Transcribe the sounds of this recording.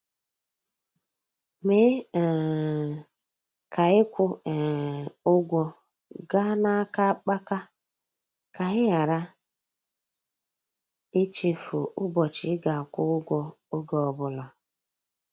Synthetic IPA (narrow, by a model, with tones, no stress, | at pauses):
me˦˨ | kʰa˨ɪ˦kʷʊ˦˨ | ʊ˦ɡʷɔ˦ | ɡa˦na˦ka˦k͡pa˦ka˦ | ka˨ɣɪ˦ɣa˨ɾa˦ | ɪ˦t͡ʃi˨fʊ̰˨ʊ˦bɔ˨t͡ʃɪ˨˦ɡa˨kʷʊ˦ʊ˦ɡʷɔ˦ | o˦ɡɔ˨ɔ˨bʊ˨lɔ˨